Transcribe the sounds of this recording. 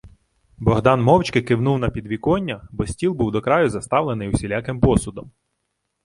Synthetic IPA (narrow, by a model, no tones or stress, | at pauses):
bɔɦd̪ɑnmɔwt͡ʃkɪkɪwnuwnɐpʲid̪ʋʲikɔnʲːɐbɔsʲtʲilˠbuwd̪ɔkɾɑjʊzɐst̪ɑwlˠenɪjwsʲilʲakɪmpɔsʊd̪ɔm